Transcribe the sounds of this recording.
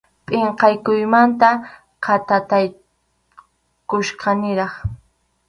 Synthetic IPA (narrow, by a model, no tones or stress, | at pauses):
pʼɪɴqɑjkʊjmant̪a | qʰɑt̪at̪aj | kʊʃqɑnɪɾɑχ